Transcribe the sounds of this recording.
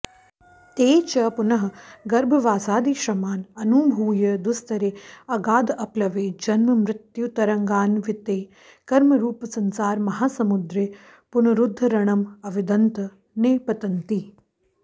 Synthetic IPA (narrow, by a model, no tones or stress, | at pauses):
t̪eːt͡ʃɐpunɐɦɐ̆ɡɐɾbʱɐʋaːsaːd̪iːʃɾɐmaːnɐnuːbʱuːjɐd̪ust̪ɐɾeːɐɡaːd̪ɐplɐʋeːd͡ʒɐnmɐmɾɪt̪jut̪ɐɾɐŋɡaːnʋit̪eː | kɐɾmɐɾuːpɐsɐnsaːɾmɐɦaːsɐmud̪ɾeː | punɐɾud̪ʱːɐɾɐɳ̃ɐmɐʋid̪ɐnt̪ɐ | neːpɐt̪ɐnt̪i